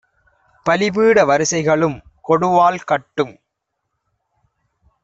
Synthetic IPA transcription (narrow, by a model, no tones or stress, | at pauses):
pɐlɪbiːɽɐʋɐɾɯsɐɪɣɐɭɯm | kɔɽɯʋaːlkɐʈːɯm